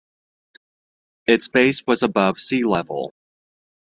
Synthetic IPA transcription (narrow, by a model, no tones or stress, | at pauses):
ɨtsb̥eɪswʌzəbʌv̥silɛvl̩ˠ